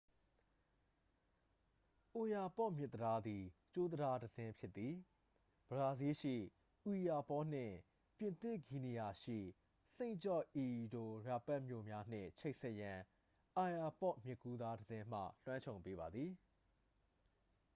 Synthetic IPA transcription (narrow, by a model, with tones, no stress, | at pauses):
ʔo˨ja˨pɔ˦˨ʔmjɪ˦˨t̪ːəda˦d̪i˨t͡ɕo˦d̪əda˦dəzɪ̃˦pʰjɪ˦t̪ːi˨ | b̥əɹa˨zi˦ʃḭ˦˨ | ʔu˨ja˨pɔ˦n̥ɪ̰̃˦˨ | pjɪ̃˨nt̪ɪ˦˨ɡi˨ni˨ja˨ʃḭ˦˨ | sẽ˦ɪ̃t͡ɕɔ˦˨ʔʔi˨do˨ɹa˨pɛ˦ʔmjo˦˨mja˦n̥ɪ̰̃˦˨t͡ɕʰe˦ɪʔsɛ˦ʔjã˨ | ʔa˨ja˨pɔ˦ʔmjɪ˦˨kːu˦d̪a˦dəzɪ̃˦m̥ä̰˦˨l̥wã˦ɲt͡ɕʰõ˨ʊ̃pe˦βa˨d̪ði˨